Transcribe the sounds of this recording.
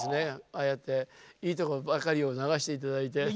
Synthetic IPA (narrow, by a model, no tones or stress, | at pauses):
sɨne̞ajet̪ːe̞iːt̪o̞ko̞obakaɾʲio̞naɡaɕi̥t̪e̞it̪ad̪ait̪e̞